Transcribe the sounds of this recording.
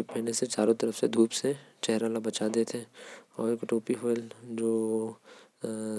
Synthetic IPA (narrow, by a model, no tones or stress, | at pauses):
pɛːneset͡ʃaːɾõt̪ɐɾəfsed̪ʱuːpset͡ʃɛɦɾalabɐt͡ʃad̪eːt̪ʰɛ̃ɔːɾeːkʈoːpiɦɔːld͡ʒoː